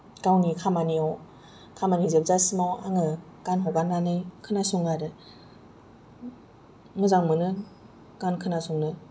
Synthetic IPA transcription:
kawnikʰamaniaw | kʰamanizep̚zasimawaŋɯ | kanɦɔɡanːanɯjkʰɯnasuŋaɾɯ | mɯzaŋmɯnɯ | kankʰɯnasuŋnɯ

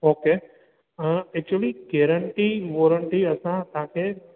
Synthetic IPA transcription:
oːke | əɛk̚t͡ʃuəliɡɛːɾəɳʈiʋoːɾəɳʈiəsãt̪ãkʰe

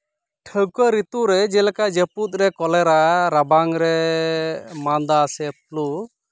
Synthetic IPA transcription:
ʈʰəkəɾit̪uɾɛd͡ʒɛlakad͡ʒəput̪̚ˀɾɛkɔlɛɾaɾabaŋɾɛ | mand̪asɛp̚lu

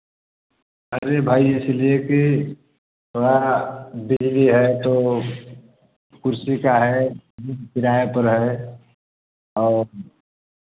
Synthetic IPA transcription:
ɦəɾebʱaːiɪslieki | ɦoɾabɪd͡ʒliɦɛt̪o | kʊɾsikaɦɛd̪inkɪɾaːepəɾɦɛ | ɔːɾ

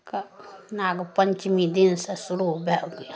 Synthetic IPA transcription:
kanaːɡpəɲʲt͡ʃmid̪insesuɾubʱɛɡ

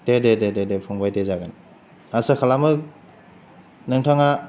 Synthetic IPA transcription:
dededededepʰɔŋbajtezaɡan | asɯkʰalamɯk̚ | nɯŋtʰaŋa

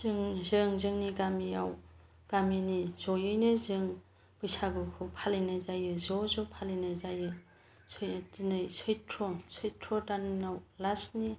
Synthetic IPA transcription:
z̥ɯŋzɯŋzɯŋniɡamia̰w | ɡ̥aminiz̥ɔjɯjnɯzɯŋ | b̥ɯjsaɡɯkʰɯpʰalenɯzajɯzɔzɔpʰalenɯzajɯ | sjtinɯjsʰɯjtʰɾɔsɯjtʰɔtannawlasni

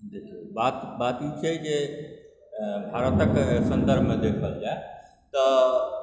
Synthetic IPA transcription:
d̪ekʰibat̪bat̪it͡ʃʰɛd͡ʒe | bʱaɾət̪əksə̃nd̪əɾbʱmed̪ekʰəld͡ʒae | t̪ə

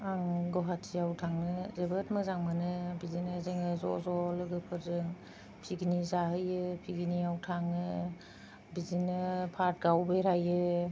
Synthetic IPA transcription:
aŋɡɔɦatʰiawtʰaŋnɯzebɯtmɯzaŋmɯnɯbizinɯzeŋɯzɔ̰zɔlɯɡɯpʰɯɾzɯŋ | pʰiɡinizaɦɯjɯpʰiɡiniawtʰaŋɯ | bizinɯpʰaɾt̚ɡawbeɾajɯ

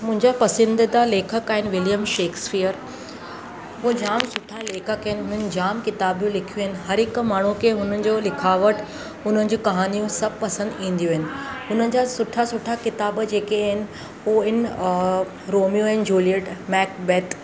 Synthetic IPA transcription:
mʊ̃ɦɪ̃ɲd͡ʑapɐsɪ̃nd̪ɪd̪aleːkʰəkaːɦɪnɪ̆ʋɪljəmʃeːkspijəɾ | pod͡ʑaːmsʊʈʰaleːkʰəkaɪnɪ̆ɦʊn̤ənɪ̆d͡ʑaːmkɪt̪aːbjũlɪkʰijuɦɪnɪ̆ɦɐɾɦɪkmaːɳ̤ukʰeɦʊn̤ənɪ̆d͡ʑoːlɪkʰaːʋəʈ | ʊn̤ənɪ̆d͡ʑuːkɐɦaːnijũsɐb̚pɐsə̃nd̪ĩːn̆d̪jũɦɪnɪ̆ɦʊn̤ənɪ̆d͡ʑaːsʊʈʰasʊʈʰakɪt̪aːbd͡ʑeːkeaɦɪnɪ̆ | uɪn | ɾoːmijũɐɪn̆d͡ʑuːlijəʈmɛːkbɛt̪

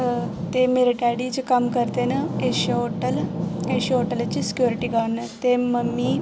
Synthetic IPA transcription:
t̪emeɾiʈaɽid͡ʑekamkəɾt̪enəeɕoʈəleɕioʈəlat͡ɕiːsi̥kjuɾiʈiːɡʱanːət̪eməmːiː

